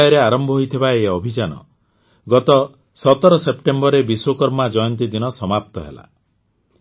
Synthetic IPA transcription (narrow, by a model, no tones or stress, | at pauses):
jɔɾeaɾɔmbʱɔɦojt̪ʰibaeɔbʱid͡ʒanɔ̰ | ɡɔt̪ɔ | sɔt̪ɔɾɔsepʈembɔɾebiswokɔɾmad͡ʒɔjɔnt̪id̪inɔsɔmap̚t̪ɔɦḛla̰